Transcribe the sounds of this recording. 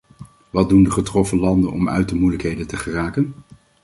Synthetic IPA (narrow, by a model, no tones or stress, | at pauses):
ʋɑd̚dundəχətrɔfəlɑndənʔɔ̰mœ̰ɥtəmujləkɦejdəntəχəraːkən